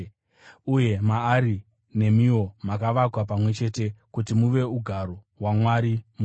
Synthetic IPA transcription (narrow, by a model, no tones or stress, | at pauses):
uje̞maːɾi | ne̞mio̞makaʋakwap̬amwe̞t͡ʃe̞tekutimuʋe̞uɡʱaɾoɦwamwaɾimu